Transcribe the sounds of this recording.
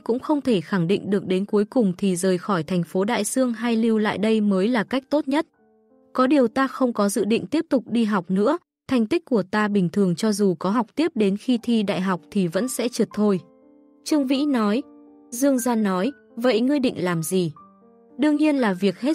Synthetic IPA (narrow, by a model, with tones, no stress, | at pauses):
kʊ̰˧˥ŋ͡mxə˧wŋ͡mt̪ʰe˧˩xa˧˩ŋɗḭ˧˨ŋ̟ɗɨ˨˩ək̚ɗe˨˦nku˨˦jkʊ˨˩ŋ͡mt̪ʰi˨˩zəː˨˩jxɔ˧˩jt̪ʰɛ˨˩jŋ̟fo˨˦ɗa̰ː˧˨jsɨ˧əŋɦa˧jli˧wla̰ː˧˨jɗə˧jməː˨˦jlaː˨˩ka˦˥k̟̚t̪o˦˥t̚ɲə˦˥t̚ | kɔ˨˦ɗi˨˩əwt̪aː˧xə˧wŋ͡mkɔ˨˦zɨ̰˧˨ɗḭ˧˨ŋ̟t̪i˦˥əp̚t̪ʊ˨˩k͡p̚ɗi˧ɦa˨˩wk͡p̚nɨ̰˧˥ə | t̪ʰa˨˩jŋ̟t̪i˦˥k̟̚kːu˧˩ət̪aː˧ɓï˨˩ŋ̟t̪ʰɨ˨˩əŋt͡ɕɔ˧zu˨˩kɔ˨˦ɦa˨˩wk͡p̚t̪i˦˥əp̚ɗe˨˦nxi˧t̪ʰi˧ɗa̰ː˧˨jɦa˨˩wk͡p̚t̪ʰi˨˩və̰˧˥nsɛ̰˧˥t͡ɕɨ˨˩t̚t̪ʰːo˧j | t͡ɕɨ˧əŋvḭ˧˥nɔ˨˦j | zɨ˧əŋzaː˧nːɔ˨˦j | və̰˧˨jŋɨ˧əjɗḭ˧˨ŋ̟laː˨˩mzi˨˩ | ɗɨ˧əŋɲi˧ənlaː˨˩vi˨˩ək̚he˦˥